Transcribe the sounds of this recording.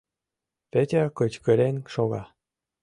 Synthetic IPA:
pet̪ʲekɤ̆t͡ɕkə̆ɾenʃoɣɑ

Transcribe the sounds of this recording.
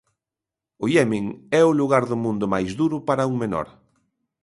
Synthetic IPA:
ʊjɛmĩŋɛʊluɣaɾðʊmũnd̪ʊmajzðuɾʊpaɾɐuŋmenɔ̰ɾ

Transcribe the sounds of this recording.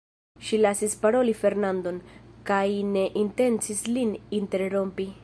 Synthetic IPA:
ʃilasispaɾo̞life̞ɾnando̞nkajne̞ʔinte̞nt͡sislininte̞ɾɾo̞mpi

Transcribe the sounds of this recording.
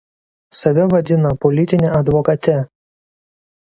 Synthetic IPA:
sɐʋʲɛʋɐd̪ʲɪnɐpɔlʲɪt̪ʲɪnʲɛʔɐd̪ʋɔkɐt̪ʲɛ

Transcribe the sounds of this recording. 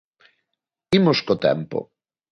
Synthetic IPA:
imoskot̪ɛ̰mpo̰

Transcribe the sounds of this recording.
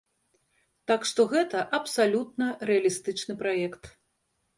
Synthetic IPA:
t̪akʂt̪ɔɣɛt̪ɐʔɐpsalʲut̪̚nɐɾɛɐlʲist̪ɨt͡ʂnɨpɾajɛkt̪

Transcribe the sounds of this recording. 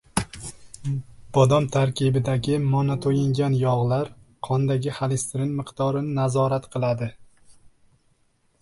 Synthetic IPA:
b̥ɒd̪ɒmt̪ʰaɾkʲʰɪbɪd̪aɡʲɪmɒnat̪ʰojɪŋɡʲanjɒʁlaɾqʰɒnd̪aɡʲɪhalɪst̪ɾɪnmɪqd̪ɒɾɪnɪnazɒɾat̪qʰɨlˠad̪ɪ

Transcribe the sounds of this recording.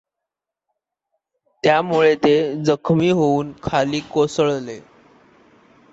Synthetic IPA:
t̪jamuɭet̪ed͡zəkʰmiːɦouːnkʰaliːkosəɭle

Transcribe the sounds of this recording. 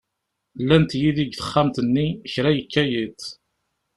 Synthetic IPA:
lːænt̪jiðiɡθə̥χːamt̪ənːiəçɾæjəkːæjit̪

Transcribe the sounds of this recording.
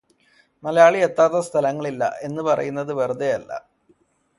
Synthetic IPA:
nɐlɐjaːɭiet̪ːaːt̪ːɐst̪ʰɐlɐŋːɐɭilːɐ̰ʔe̞nːɨpɐrɐ̰junːɐðɨʋerud̪ejɐlːɐ̰

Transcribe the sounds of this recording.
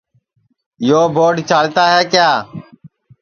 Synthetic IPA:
joːbʱoːɖt͡ʃaːlt̪aːɦɛːkjaː

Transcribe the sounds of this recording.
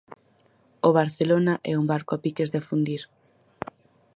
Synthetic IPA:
oβaɾθelonaʔɛ̰umbaɾkɔpikezðefund̪iɾ

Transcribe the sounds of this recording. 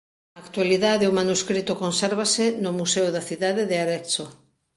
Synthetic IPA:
ɐːkt̪waliðaðeomanuskɾit̪okonsɛɾβasenʊmusɛwðaθiðaðeðeaɾɛkso

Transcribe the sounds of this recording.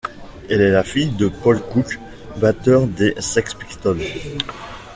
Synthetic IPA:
ɛlɛlafijd̪əpɔlkuk | bat̪œʁd̪esɛkspi̥kt̪ɔl

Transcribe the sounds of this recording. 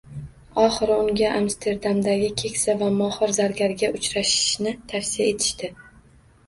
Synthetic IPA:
ɒχɨɾʊŋɡʲaʔamst̪ʰe̞ɾd̪amd̪aɡʲɪkʲʰe̞kʲsavamɒhɨɾzaɾɡʲaɾɡʲaʔʊt͡ʃɾaʃɪ̥ʃnɪt̪ʰafsijae̞t̪ʰɪ̥ʃt̪ɪ

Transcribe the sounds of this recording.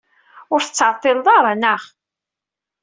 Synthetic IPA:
ʊɾθə̥t͡sːʕɑt̪ˤːeld̪ˤɑɾˤnəʁ

